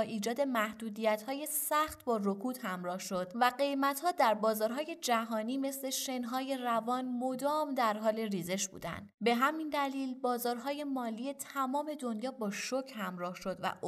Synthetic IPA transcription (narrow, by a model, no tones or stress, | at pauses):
ʔiːd͡ʒɒːd̪e̞mæhd̪uːd̪ijæt̪hɒːje̞sæxt̪bɒːrokʰuːd̪̥hæmɾɒːhʃo̞d̪̥væɡe̞jmæt̪hɒːd̪æɾbɒːzɒːɾɦɒːje̞d͡ʒæɦɒːniːme̞sle̞ʃe̞nɦɒːje̞rævɒːnmo̞d̪ɒːmd̪æɾɦɒːle̞riːze̞ʃb̥ṵːd̪æ̰nd̪be̞ɦæmind̪æliːlbɒːzɒːɾɦɒːje̞mɒːliːe̞t̪ʰæmɒːme̞d̪o̞njɒːbɒːʃocʰhæmɾɒːhʃo̞d̪væ̰ʔ